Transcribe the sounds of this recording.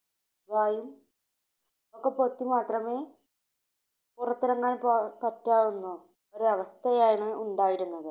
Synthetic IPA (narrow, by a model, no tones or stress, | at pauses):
ʋaːjum | okːepo̞t̪ːimaːt̪rɐme̞ː | purɐt̪ːiɾɐŋːaːnppɐtːaːʋunːu | oɾuɐʋɐst̪ʰɐjaːjiɳɨuɳɖaːjiɾunːɐðɨ